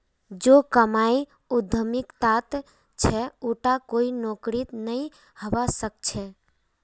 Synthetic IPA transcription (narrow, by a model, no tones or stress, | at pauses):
d͡ʒokəmai | ud̪ʱəmikt̪at̪ | t͡ʃʰɛuʈakoinokɾit̪nəi | həʋasək̚t͡ʃʰɛ